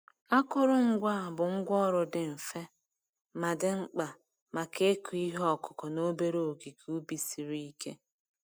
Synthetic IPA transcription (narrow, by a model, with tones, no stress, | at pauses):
a˦kʊ˦ɾʊ˦ŋ̩˦ɡʷa˦˨bʊ˨ŋ̩˦ɡʷɔ˦ɾʊ˨dɪ˨ɱ̩˨fe˦ | ma˨dɪ˨ŋ͡m̩˦k͡pa˨ | ma˨ke˦ku˨i˦ɦɔ˦˨kʊ̥˨kɔ˨no˦be˦ɾo˦o˨ɡi˨kʰu˦bi˦si˨ɾi˦i˦kḛ˦